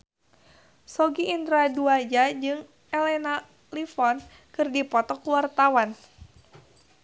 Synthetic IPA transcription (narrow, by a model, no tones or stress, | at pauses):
sɔɡiʔːnd̪ɾaduad͡ʒad͡ʒɨŋ | ɛlɛna | lifɔn | kɨrdipɔt̪ɔkwart̪awan